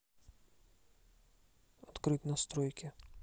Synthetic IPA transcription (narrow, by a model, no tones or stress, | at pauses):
ɐt̪kɾɨt̪ʲnɐst̪ɾɔjkʲɪ